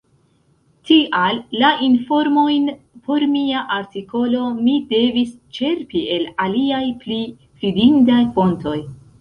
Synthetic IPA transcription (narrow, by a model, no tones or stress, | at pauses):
tiʔalːaʔinfo̞ɾmo̞jn | pʰo̞ɾmiaʔaɾtiko̞lo̞mide̞vist͡ʃe̞ɾpie̞laliajpli | fidindajfo̞nto̞j